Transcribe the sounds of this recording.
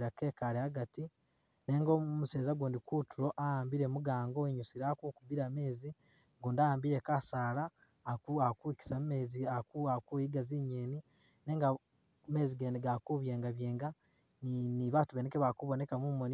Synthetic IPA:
ɾakeːkaɾeaɡati | neːŋɡomuseːzaɡuːndikutuɾo̞ʔajaːmbiɾemuɡaːŋɡoeɲusiɾakukubiɾame̞ːzi | ɡuːndajaːmbiɾe̞kasaːlaː | uakuki̥sammeziakuakujiɡaziɲeːni | ne̞ːŋɡa | me̞ːziɡeːndeɡakuβjeːŋɡaβjeːŋɡa | niniβatuβenekeβakuβo̞ne̞kamumoni

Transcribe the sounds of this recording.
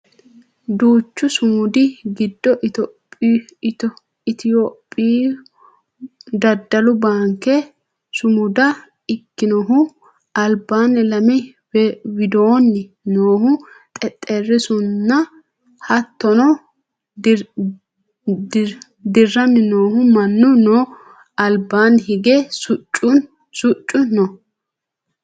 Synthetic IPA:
d̪uːt͡ʃːʊsʊmʊd̪ɪɡɪd̪ːɔʔt̪ɔpːt | ɪt̪ɪjopʼːiː | d̪ɐd̪ɐlʊbaːŋkːɛ | sʊmʊd̪ɐ | ɪkːɪnɔɦʊ | ɐlbaːnːɛlɐmɪ | wɪd̪oːnːɪ | noːhʊ | t̪ʼɛt̪ʼːɛrːɪsʊnːɐ | hɐt̪ːɔnɔ | d̪ɪrːɐmɪnoːhʊmɐnːʊnoː | ɐlbaːnhɪɡɛsʊt͡ʃʼːʊ | sʊt͡ʃʼːʊnɔ

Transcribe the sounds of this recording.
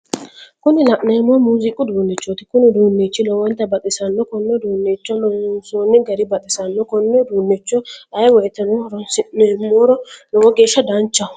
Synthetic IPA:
kʊnɪlɐʔneːmːɔmuːzɪkʼːʊd̪uːnːɪt͡ʃːɔt̪ɪ̥kʊnɪd̪uːnːet͡ʃːɪnɔwɔnt̪ːɐbɐt̪ʼɪsɐnːɔkɔnːɔd̪uːnːeːt͡ʃːɔnɔnsoːnːɪɡɐɾɪbɐt̪ʼɪsɐnːɔkɔnːɔd̪uːnːɪt͡ʃːɔᶑ̪ɐjwɔjɛt̪ːɐnɔhɾɔnsɪʔnɛːmːoːɾɔlɔwɔɡe̞ːʃːɐd̪ɐnt͡ʃːɐ

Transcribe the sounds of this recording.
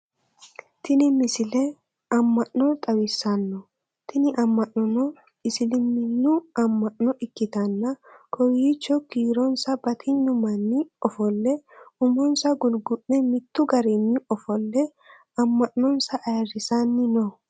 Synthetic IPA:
t̪ɪnɪmɪsɪlɛ | ɐmːɐʔnɔt̪ʼɐwɪsːɐnːɔ | t̪ʰɪnɪʔɐmːɐʔnɔnɔ | ɪsɪlɪnːɪnːʊɐmːɐʔnːɔɪkːɪt̪ɐnːɐkʰɔwit͡ʃːɔkiːɾɔnsɐbɐt̪ʰɪɲːʊmɐnːɪɔfɔlːɛʊmɔnsɐɡʊlɡʊʔnɛmɪt̪ːʊɡɐɾɪnːɪɔfɔlːɛ | ɐmːɐʔnɔnsɐʔːjɐrɪsanːɪnɔ

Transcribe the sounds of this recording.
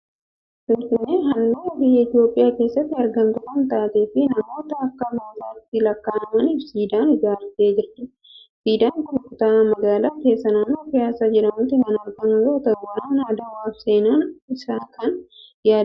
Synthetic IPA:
sɪmfɪnːeːɦɐnd̪eːbɪjːɐɪt̪ɪjo̞ːpʼːɪjaːke̞ːsːɐt̪ːɪɐɾɡɐmt̪ʊkʊnt̪aːt̪e̞ːfɪnɐmo̞ːt̪ɐɐkːɐmaːt̪aːɪt̪ːɪlɐkːaːnɐmɐniːfsiːd̪aːnɪd͡ʒaːɾt̪ːe̞ːd͡ʒɪrt̪ɪ | siːd̪ɐŋkʊmɐkʊt̪aːmɐɡaːlaːke̞ːsːɐnɐmːoːfɪjaːsaːd͡ʒɛɾɐmʊt̪ːɪmɐnɐɐɾɡɐnʊɾot̪ɐɡɾanjaːd̪ɐwaːfse̞ːnaːnɪsaːkʰɐnjaːd̪

